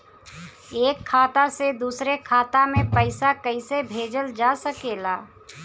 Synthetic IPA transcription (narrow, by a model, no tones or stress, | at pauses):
eːkʰːaːt̪ased̪uːsɾekʰaːt̪amẽpəɪsakəɪsebʱeːd͡ʒəld͡ʒasəkeːlaː